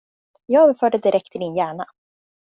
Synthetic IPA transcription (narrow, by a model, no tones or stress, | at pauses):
jɑːɡøːvəfœːɖəd̪ɪɾʔɛk̚t̪ʰɪmɪnjæːɳa